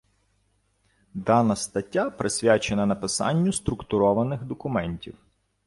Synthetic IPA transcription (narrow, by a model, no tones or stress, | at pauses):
d̪ɑnɐst̪ɐtʲːapɾesʲʋʲat͡ʃenɐnɐpɪsɑ̰nʲːʊst̪ɾʊkt̪ʊɾɔʋɐnɪxd̪ɔkʊmɛnʲtʲiw